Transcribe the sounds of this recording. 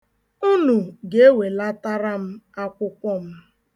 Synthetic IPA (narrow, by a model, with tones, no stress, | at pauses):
u˦nu˨ɡe˨e˦we˨la˦ta˦ɾa˦m̩˦a˦kʷʊ˦kʷɔ˦m̩˦